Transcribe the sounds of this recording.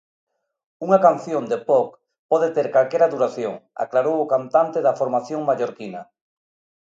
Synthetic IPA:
uŋakanθjond̪epɔk | pɔðet̪eɾkalkɛɾaðuɾaθjoŋa̰klaɾowʊkant̪ant̪eðɐfoɾmaθjoŋmaʎoɾkinɐ

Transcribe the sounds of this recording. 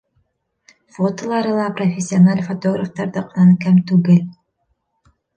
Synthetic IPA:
fot̪olˠɑɾɯlˠɑprofʲesʲːɪonalʲfot̪oɡɾaft̪ɑɾd̪ɯqʰɑnɑnkæmt̪uɡelʲ

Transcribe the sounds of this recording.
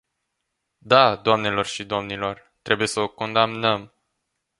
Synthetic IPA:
d̪ad̪oamne̞lo̞rʃid̪o̞mnilo̞r | t̪ɾʔe̞buje̞səoko̞nd̪amnəm

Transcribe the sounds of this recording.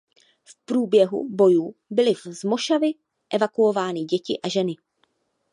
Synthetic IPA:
fpɾuːbjɛɦṵbo̞juːbɪlɪvzmo̞ʃavɪ | ʔɛvakuovaːnɪɟɛcɪʔaʒɛnɪ

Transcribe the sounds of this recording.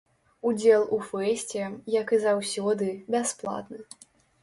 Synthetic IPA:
ud͡zʲɛlˠufɛsʲt͡sʲɛjɐkɨzawsʲɔd̪ɨbʲasplˠa̰t̪nɨ

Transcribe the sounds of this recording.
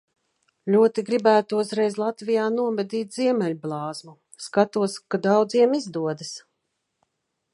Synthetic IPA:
lʲuɔt̪iɡɾibæːt̪uzɾɛjzlˠat̪vijaːnuɔvɛd̪ʲiːt̪ʲziɛmʲɛlʲblˠɑːzmu | skat̪uɔskad̪awd̪ziɛmizd̪uɔd̪ɐs

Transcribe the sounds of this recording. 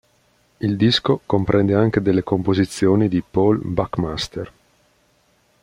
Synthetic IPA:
ild̪iskokompɾʔɛnd̪eaŋk̟ed̪elːekompozit̪sːjoːnid̪ipɔlbakmast̪er

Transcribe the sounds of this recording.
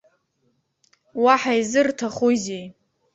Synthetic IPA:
waħajzɨrtʰaχuzej

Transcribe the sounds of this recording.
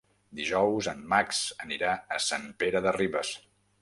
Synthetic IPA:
d̪iʒɔwzəmːaksəniɾaəsampeɾəðəriβəs

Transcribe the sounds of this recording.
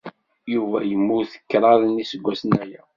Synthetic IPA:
juvæjəmːuθə̥kːɾˤɑðnisəɡʷːæsnæjæ

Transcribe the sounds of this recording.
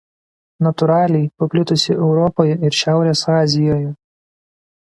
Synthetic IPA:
nɐt̪ʊɾɑːlʲɛɪpɐpʲlʲɪt̪ʊsʲɪʔɛʊɾɔpoːjɛɪɾʃʲæˑʊɾʲeːsɑːzʲɪjoːjʊ

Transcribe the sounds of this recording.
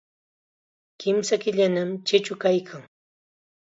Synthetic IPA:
kɪmsakɪʎanamt͡ʃɪt͡ʃʊkajkʰaŋ

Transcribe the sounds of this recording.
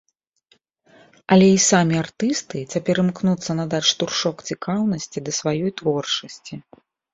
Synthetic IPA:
ɐlʲɛisamʲiart̪ɨst̪ɨt͡sʲɐpʲɛɾɨmknut̪sːɐnɐd̪at͡ʂt̪urʂɔkt͡sʲikawn̪ɐsʲt͡sʲid̪ɐsvajɔjt̪vɔrt͡ʂɐsʲt͡sʲi

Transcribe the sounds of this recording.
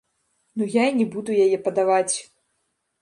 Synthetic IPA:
nujainʲɛbud̪ujajɛpɐd̪avat͡sʲ

